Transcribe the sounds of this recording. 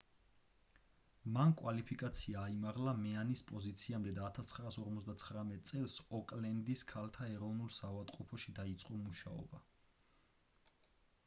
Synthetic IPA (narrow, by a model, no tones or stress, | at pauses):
mankʼwalipʰikʼat̪sʰiaːimaʁlamɛanispʼɔzit̪sʰiamd̪ɛd̪aːt̪ʰast̪sʰχɾaːsɔɾmɔt̪zd̪at̪sʰχɾamɛt̪̚ʼt̪sʼɛlˠsɔkʼlɛnd̪iskʰalt̪ʰaɛɾɔvnulˠsavad̪qʼupʰɔʃid̪ait̪sʼqʼɔmuʃa̰ɔ̰ba